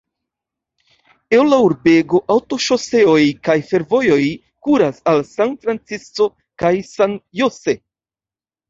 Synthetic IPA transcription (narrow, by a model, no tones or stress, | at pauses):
ewlauɾbe̞ɡo̞ʔawto̞ʃo̞se̞o̞jkajfe̞ɾvo̞jo̞j | kuɾasalsanfɾant͡siso̞ | kajsanjose̞